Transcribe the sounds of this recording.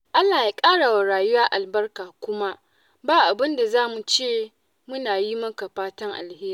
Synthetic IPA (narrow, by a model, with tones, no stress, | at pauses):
ʔa˦lːaː˨ja˦kʼaː˦ɽa˨wa˨ɽaː˨jʊ˦waː˦ʔa˨lbɐ˦rkaː˨kʷʊ˦ma˦ʔ | baː˦ʔa˨bɪ˦nda˨zaː˦mu˨t͡ʃeː˦˨ | mʊ˦naː˨ji˦mɐ˦ka˨ɸaː˦tɐ˦ŋʔa̰˨lheː˦ɾi˦˨